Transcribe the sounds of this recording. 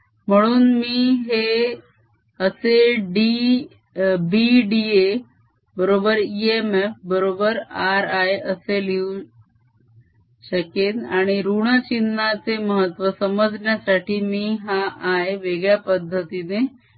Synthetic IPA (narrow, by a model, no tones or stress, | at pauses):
m̤əɽ̃uːnmiːɦe | əseɖi | biɖie | bəɾobəɾiemefbəɾobəɾaɾajəseliu | ɕəket̪aɽ̃iɾuɳ̃ət͡ɕinːat͡seməɦət̪ːʋəsəməd͡zɳjasaʈʰiːmiːɦaaeʋeɡɭjapəd̪ʱːət̪ine